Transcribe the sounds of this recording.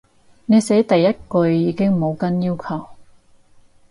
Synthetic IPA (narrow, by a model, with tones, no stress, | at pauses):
ne˨˧jse˨˥jt̪ɐ˨jːɐ˥t̚kɵ˧ɥjiː˨˧kɪ˥ŋmo˨˧wkɐ˥njiː˥wkʰɐ˨˩w